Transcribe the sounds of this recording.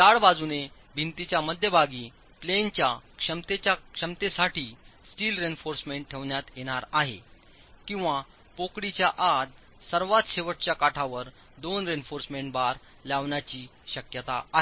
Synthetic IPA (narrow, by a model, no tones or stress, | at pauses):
t̪aɭbad͡zune | bʱint̪it͡ɕjaməd̪ʱjəbʱaɡiː | plent͡ɕjakʂəmt̪et͡ɕakʂəmt̪esaʈiːsʈiːlɾenfoɾsmeɳʈ̚ʈʰːeʋɳjat̪jeɽ̃aɾaɦḛ | kĩw̃ʋa | pokɽit͡ɕjaʔad̪ | səɾʋat̪ɕeʋəʈ̚t͡ɕjakaʈʰaʋəɾ | d̪onɾenfoɾsmeɳʈbaɾ | laʋɳjat͡ɕiːɕəkjət̪a̰aɦe